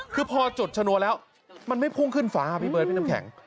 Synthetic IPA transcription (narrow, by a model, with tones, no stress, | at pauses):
kʰɯː˧pʰɔː˧t͡ɕo˨˩t̪̚t͡ɕʰa˧nu˧˦lɛː˦˥w | ma˧nma˥˩jpʰuː˥˩ŋkʰɯ˥˩nfaː˦˥a˧˩pa˧˩jpɤː˨˩t̪̚pna˧kʰɛ̰˩˦ŋ